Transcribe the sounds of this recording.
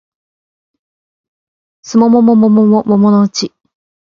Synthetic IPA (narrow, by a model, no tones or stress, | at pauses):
sɨmomomomomomomomonoɯ̟t͡ɕi